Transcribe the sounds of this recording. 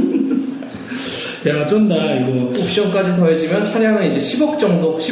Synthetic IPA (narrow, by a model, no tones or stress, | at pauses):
jat͡ɕʌnːaiɡʌokɕ͈ʌnk͈ad͡ʑit̬ʌɦed͡ʑimjʌnt͡ɕʰwaɾjaŋɯnid͡ʑe̞ɕʰibʌk̚t͡ɕ͈ʌŋdoɕʰi